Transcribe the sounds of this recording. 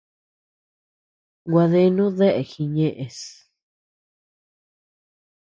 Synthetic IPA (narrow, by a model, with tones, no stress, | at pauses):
ɡʷa˧ðe˧nũ˦ðe˦ʔe˨xi˧ɲẽ˧ʔẽ˧s